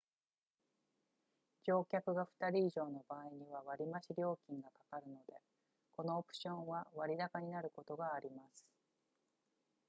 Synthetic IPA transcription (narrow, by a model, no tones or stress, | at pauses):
d͡ʑo̞ːkʲakɯ̟ɡaɸɯ̟̥t̪aɾʲiːʑo̞ːno̞baːiɲ̟iβ̞aβaɾʲimaɕiɾʲo̞ːkʲĩŋɡakḁkaɾɯ̟no̞d̪e̞ | ko̞no̞ːpɯ̟̥ɕõ̞ɰ̃βaβaɾʲid̪akaɲ̟inaɾɯ̟ko̞t̪o̞ɡaːɾʲimasɨ̥